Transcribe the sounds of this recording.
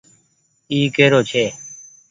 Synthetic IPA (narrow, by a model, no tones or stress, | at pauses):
iːkeːɾoːt͡ʃʰeː